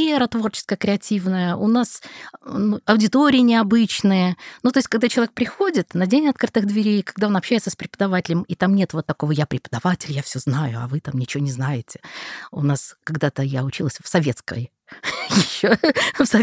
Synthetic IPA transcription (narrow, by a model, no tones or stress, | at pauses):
eɾət̪vo̞rt͡ɕɪ̥skəjəkɾʲɪɐtʲivnəjəʔʊnasnuɐʊdʲɪt̪o̞ɾʲɪjənʲɪɐbɨt͡ɕnɨjənut̪o̞ɪsʲtʲkɐɡd̪at͡ɕɪlˠɐvʲek̚pɾʲɪxodʲɪt̪nɐdʲenʲɐt̪̚kɾɨt̪ɨɣd̪vʲɪɾʲejkɐɡ̚d̪ao̞nɐpɕːæjɪt̪səspɾʲɪpəd̪ɐvatʲɪlʲəmit̪amnʲe̞t̪vot̪ːɐko̞vəjapɾʲɪpə̥d̪ɐvatʲɪlʲjafsʲoznajʊɐ̰vɨt̪amnʲɪt͡ɕɪvʲonʲɪznajɪtʲɪ̥ʊ̰naskɐɡd̪at̪əjaʊt͡ɕilˠəsʲfsɐvʲe̞t̪skə̰j | jɪɕːofsɐ